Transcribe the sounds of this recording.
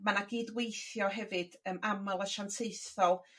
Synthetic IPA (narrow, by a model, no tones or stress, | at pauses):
manaɡiːdwejθjɔɦɛvɨd̥əmamalˠəʃantʰeɨθɔlˠ